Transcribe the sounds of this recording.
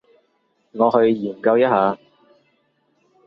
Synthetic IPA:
ŋɔː˨˧hɵ˧ɥjiː˨˩mkɐ˧wjɐ˥t̚haː˨˧

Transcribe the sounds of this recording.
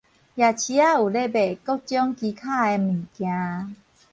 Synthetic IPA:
ja˨˩t͡ɕʰi˧˦a˦˨u˨˩le˥˧˨be˨kɔ˦t͡ɕjɔ˦ŋki˧kʰa˥˨e˧mĩ˨˩kjã˧

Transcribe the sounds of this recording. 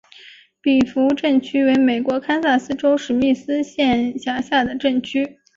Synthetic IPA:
pi˨˩fu˧˥ʈ͡ʂə˥˩ŋt͡ɕʰy˥we˧˥ɪme˨˩ɪkwɔ˧˥kʰa˥nsa˥˩sɹ̩˥ʈ͡ʂo˥ʊʂɻ̩˨˩mi˥˩sɹ̩˥ɕjɛ˥˩nɕja˧˥ɕja˥˩d̪ə˩ʈ͡ʂə˥˩nt͡ɕʰy˥

